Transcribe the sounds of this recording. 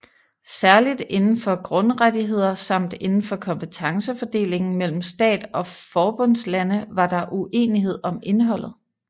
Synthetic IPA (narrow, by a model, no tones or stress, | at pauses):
sæɐlid̥e̝nn̩fɒ̽ɡ̥ʁɔ̽nʁadiɦe̝ð̰ˠɐsɑ̈m̰d̥e̝nn̩fɒ̽kʰɒ̽mpʰət͡sʰɑ̈ŋsəfɒ̽d̥e̝̰ːle̝ŋn̩mel̰m̩sd̥ɛ̰ːd̥ɒ̽fɒːb̥ɔ̽n̰slænəʋɑ̈d̥ɑ̈ʔuʔe̝̰ːniɦe̝ð̞̰ˠɒ̽me̝nɦɒ̽l̰ð̩ˠ